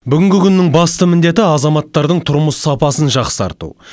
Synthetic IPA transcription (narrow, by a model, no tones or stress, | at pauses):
bʏɡʲɪŋɡʲɪkʲʰʏnːɪŋbɑst̪əmɪnd̪e̞t̪ɪɑzɑmɑt̪ːɑɾd̪əɴt̪ʰʊɾməsːɑpɑsənʒɑqsɑ̰ɾt̪ṵ